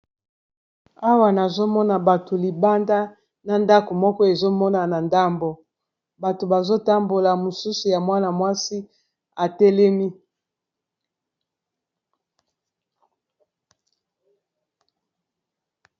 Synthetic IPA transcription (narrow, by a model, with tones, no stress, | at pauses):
a˦wa˨na˨zo˦mɔ˦na˨ba˨to˨li˨ba˦nda˦ | na˨nda˦ko˨mɔ˦kɔ˦e˨zo˦mɔ˦na˨na˨nda˦mbo˨ | ba˨to˨ba˨zo˦ta˦mbo˨la˨mo˨su˦su˨ja˨mwa˦na˨mwa˦si˦ | a˨tɛ˦lɛ˦mi˦